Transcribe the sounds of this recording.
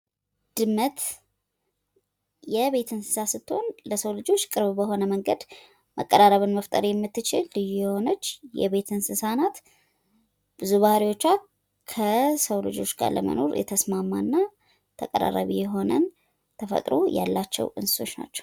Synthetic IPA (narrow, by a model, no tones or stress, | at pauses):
d̪̥ɨmːət̪ | jɛβe̞t̪ʰɨnsɨ̥sasɨt̪ʰːo̞nləsəwlɨd͡ʒo̞t͡ʃːkʼɨɾβbəɦo̞nəməŋɡəd̪ | mə̰kʼːəɾaɾəβɨnməft̪ʼəɾjɛmːɨt̪ːɨt͡ʃɪlːɨjujɛho̞nət͡ʃːjɛ̰βe̞t̪ʰɨnsɨsanat̪ | b̥ɨzuβahɾiwo̞t͡ʃːa | kʰəsəwlɨd͡ʒo̞t͡ʃːɡa̰ɾlə̰mə̰no̞̰ɾjɛ̰t̪ʰəsmamːanːa | t̪ʰəkʼə̰ɾa̰ɾə̰βijɛɦo̞nə̰n | t̪ʰəfə̰t̪ʼɾo̰ja̰lːat͡ʃːɛ̰wɨnsɨ̥so̞t͡ʃːna̰t͡ʃːɛ̥w